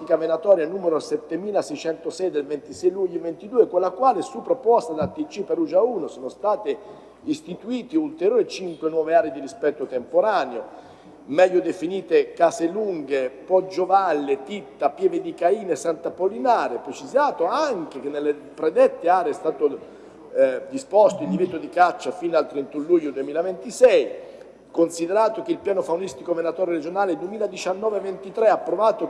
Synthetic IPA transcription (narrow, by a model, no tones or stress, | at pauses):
ikavenat̪ɔːɾjanuːmeɾsɛt̪ːemiːlasɛjt͡ʃɛnt̪osɛjd̪elvɛnt̪isɛjluʎːivent̪id̪uːekwelːakwaːlesupːɾopɔst̪ad̪at̪ːit͡ʃːipeɾud͡ʒauːnosoːnost̪aːt̪e | ist̪it̪uiːt̪iult̪eɾjoːɾit͡ʃiŋkwenwɔːveaːɾid̪iɾispɛt̪ːot̪empoɾaːneo | mɛʎːod̪efiniːt̪ekaseluŋɡepɔd͡ʒːovalːet̪it̪ːapjɛːved̪ikaiːnesːant̪apolinaːɾepɾet͡ʃizaːt̪oaŋk̟ek̟enːelːe | pɾed̪ɛt̪ːeaːɾeɛst̪aːt̪o | d̪ispɔst̪oild̪ivet̪ːod̪ikat͡ʃːafiːnalt̪ɾent̪unluʎːod̪uemiːlavent̪isɛj | konsid̪eɾaːt̪ok̟eilpjaːnofaunist̪ikomenat̪ɔːɾjoɾed͡ʒonaːled̪uemiːlad̪it͡ʃanːɔːvevent̪it̪ɾeapːɾovaːt̪o